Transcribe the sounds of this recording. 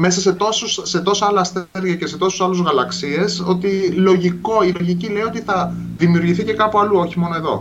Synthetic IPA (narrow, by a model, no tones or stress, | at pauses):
me̞sɐse̞t̪o̞suse̞t̪o̞sɐɐlɐst̪eɾʝiɐcese̞t̪o̞su̥sɐluzɣɐlɐksie̞so̞t̪ilo̞ʝiko̞ilo̞ʝicile̞io̞t̪iθɐ | ðimiuɾʝiθice̞kɐpuɐluo̞çimo̞noe̞ðo̞̰